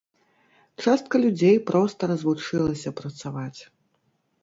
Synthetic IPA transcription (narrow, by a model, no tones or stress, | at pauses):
t͡ʂast̪̚kɐlʲud͡zʲejpɾɔst̪ɐɾɐzvut͡ʂɨlˠɐsʲɐpɾɐt̪savat͡sʲ